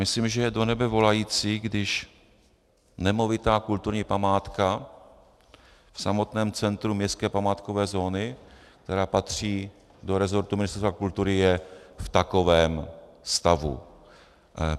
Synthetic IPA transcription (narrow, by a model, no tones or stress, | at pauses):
mɪslimʒɛjɛdo̞nɛbɛvo̞lajiːt͡siːɡdɪʃ | nɛmo̞vɪt̪aːkult̪uɾɲiːpamaːt̪ka | fsamo̞t̪nɛːmt͡sɛnt̪ɾumɲɛskɛːpamaːt̪kovɛːzo̞ːnɪk̚t̪ɛɾaːpat̪r̝̥iː | do̞ɾɛzo̞ɾt̪umɪnɪst̪ɛɾst̪vakult̪uɾɪjɛft̪ako̞vɛːm | st̪avṵ